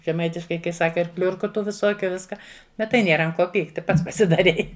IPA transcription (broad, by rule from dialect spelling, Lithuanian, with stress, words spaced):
ʒʲɛˈmɐɪtʲɪʃkɐɪ kɐɪ ˈsɑːkɐ ɪr ˈklʲʊrkʊ ˈtuː ʋʲɪˈsoːkʲʊ ˈʋʲɪskɐ ˈbʲɛt tɐɪ ˈnʲeːrɐ ɐnt ˈkoː ˈpʲiːktʲɪ ˈpɐts pɐsʲɪdɐˈrʲɛɪ